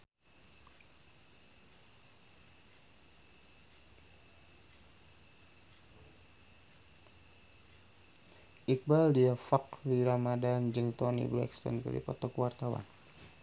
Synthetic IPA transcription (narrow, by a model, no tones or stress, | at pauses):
ʔik̚baldiafakliɾamadand͡ʒɨŋt̪ɔnḭblɛ̰kst̪ɔ̰nkə̰lḭpɔt̪ɔkwart̪awa̰n